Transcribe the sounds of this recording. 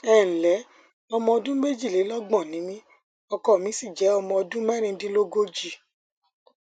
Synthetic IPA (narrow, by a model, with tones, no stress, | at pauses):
ɛ˦˨n̩˨lɛ˨˦ | ɔ˧mɔ̃˧ɔ˧dũ˦me˦d͡ʒi˦˨le˨˦lɔ˦ɡ͡bɔ̃˦˨nĩ˨˦mĩ˦ | ɔ˧kɔ˦˨mĩ˨˦si˦˨d͡ʒɛ˨˦ɔ˧mɔ̃˧ɔ˧dũ˦mɛ̃˦ɾ̃ĩ˧˦dĩ˦lo˦ɡo˦d͡ʒi˦˨